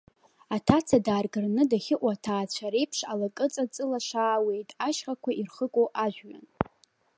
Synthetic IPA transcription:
atʰat͡sʰadaːrɡɨrnɨdaχʲɪʔʷʼatʰaːt͡ɕʷʰaɾe̞jpʰʂalakʼɨt͡sʼat͡sʼɨlaʃaːwe̞jtʼaʃχakʷʰairχəkʷʼoʔaʒᶣɥa̰n

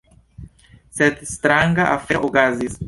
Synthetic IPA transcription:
sɛt̪st̪ɾaŋɡaʔafɛʔoɡazis

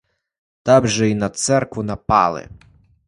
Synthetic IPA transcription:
t̪ɑbʒɛinɐt̪sɛrkʋʊnɐpɑ̰lˠɪ̰

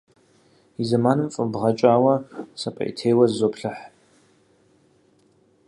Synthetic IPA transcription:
izɐmaːnɨmfʼɨbʁɐt͡ʃʼaːwɐsɐpʼɐ̰ʔḭtʰeːwɐzzopʰɬɨħ

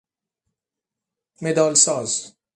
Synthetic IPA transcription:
med̪ɒːlsɒːz

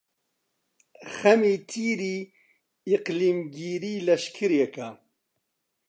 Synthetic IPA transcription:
xɐmiːt̪ʰiːɾiː | iqliːmɡiːɾiːlɐʃkʰɨɾjeka

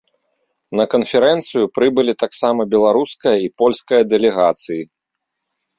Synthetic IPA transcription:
nɐkɐnfʲɛɾɛnt̪sɨjupɾɨbɨlʲit̪aksamɐbʲɛlˠaɾuskɐjɐipɔlʲskɐjɐd̪ɛlʲɛɣat̪sɨji

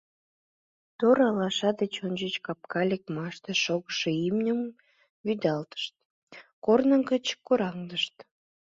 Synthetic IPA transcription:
t̪oɾɑlɑʃɑd̪et͡ɕonʲd͡ʑət͡ɕkɑp̚kɑlʲek̚mɑʃt̪eʃoɣəʃeimnʲəm | yd̪ɑlt̪ə̥ʃt̪̚ | kornə̆ŋkət͡ɕkoɾɑŋd̪əʃt̪

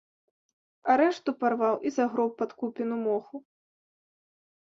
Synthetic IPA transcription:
aɾɛʂt̪uparvawʔizaɣɾɔwp̚pat̪kupʲinumɔxu

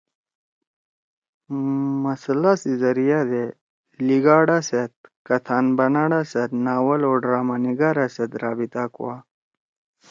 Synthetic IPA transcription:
mɐslasizɐɾijad̪e | liɡaːɽaset̪̚kɐt̪ʰaːnbɐnaɽaset̪naːwɐloːɖɾaːmaniɡaɾaset̪ɾaːbit̪akuwa

